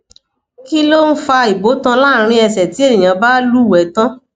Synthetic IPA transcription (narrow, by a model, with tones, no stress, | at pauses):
ki˦lo˦n̩˦fa˧i˨bo˨˦tã˧la˦˨˦ɾ̃ĩ˧ɛ˧sɛ˨ti˨˦e˦nĩ˨ã˨˦ba˦lu˦˨wɛ˨˦tã˦